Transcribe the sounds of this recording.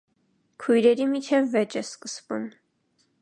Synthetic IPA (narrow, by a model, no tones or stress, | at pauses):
kʰujɾɛɾimit͡ʃʰɛvːɛt͡ʃɛskəsvum